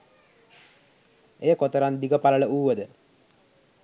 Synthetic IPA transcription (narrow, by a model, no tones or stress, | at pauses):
ejəkot̪əɾand̪iɡəpaləɭəuːʋəd̪ə